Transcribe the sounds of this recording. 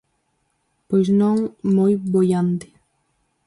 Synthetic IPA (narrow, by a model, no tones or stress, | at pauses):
pɔznɔŋmɔjbɔjand̪ɪ